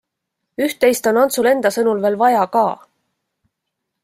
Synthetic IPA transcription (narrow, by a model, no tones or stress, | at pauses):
yht̪ːˑe̞jst̪o̞nɑnt̪sule̞nd̪̥ɑsɤnulve̞ːlvɑjɑkɑː